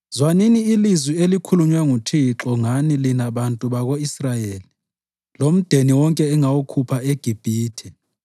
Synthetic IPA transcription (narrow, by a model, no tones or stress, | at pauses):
zwaniniːlizwielikʰuluɲwaŋutʰiǁɔŋanilinaɓantʼuɓaɣ̬oisrajeːli | lom̩d̥ʱeniwɔŋkʼɛːŋawokʰupʰaeɡ̥ʱib̥ʱiːtʰɛ